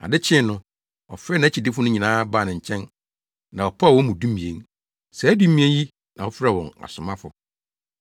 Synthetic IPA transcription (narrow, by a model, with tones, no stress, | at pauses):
a̰˨dɪ˦t͡ɕʰɪ̃˦nʊ̃˦ | ɔ˨fɾɛ˦nã˨˦t͡ɕʰi˨dɪ˦fʊ˦nʊ̃˦ɲĩ˨nãː˦baː˦˨nɪ̃˨ɲ̩˨t͡ɕʰɛ̃˦n | nã˨ɔ˨pʰa˦a˨wɔ˦mũ˨dũ˦mĩ˨e˦ŋ | sɛ˨æ˦du˦mĩ˦e˦ji˦ | nã˨ɔ˦fɾɛ˦wɔ̃˨na̰˨sʊ˨mã˦fʊ̰˨